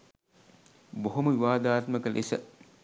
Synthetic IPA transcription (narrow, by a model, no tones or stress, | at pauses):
boɦoməʋiʋaːd̪aːt̪məkəlʔḛsə̰